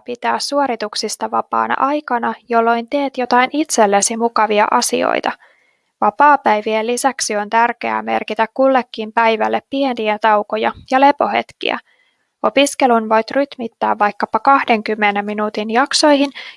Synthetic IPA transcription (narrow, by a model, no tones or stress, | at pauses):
pit̪æːsːuoɾit̪uksist̪ɑʋɑpɑ̰ːnɑ̰ʔɑjkɑnɑjo̞lːo̞jnt̪e̞ːt̪jo̞t̪ɑinit̪se̞lːesimukɑʋiɑ̰ʔɑsḭo̞̰jt̪ɑ | ʋɑpɑːpæjʋielːisæksio̞nt̪ærkeæ̰ːme̞̰rkit̪ækkulːe̞kːimpæjʋælːepːieniæt̪ɑwko̞jɑjɑle̞po̞he̞̰t̪kḭæ̰ | o̞piske̞lunʋo̞jt̪ryt̪mit̪ːæːʋːɑjkːɑpɑkɑhde̞ŋkymːenemːinuːt̪injɑkso̞jhin